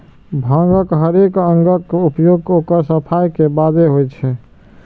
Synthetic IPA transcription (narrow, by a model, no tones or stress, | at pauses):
bʱãŋɡəkɦəɾekə̃ŋɡəkupjoɡ̚kokəɾsəpʰajkebad̪eɦojt͡ʃʰɛ